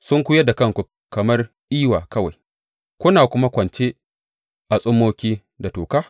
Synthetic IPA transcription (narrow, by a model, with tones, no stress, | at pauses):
sʊ˦ŋkʷʊ˦jɐ˦da˨kɐ˦˨ŋkʷu˨ | kɐ˨mɐ˦r | ʔiː˦waː˨kɐ˦wa˨j | kʷʊ˦naː˨kʷʊ˦ma˦kʷɐ˨nt͡ʃeː˦ | ʔa˨sʼʊ˦mːoː˦kʲiː˦ | da˨toː˨kaː˦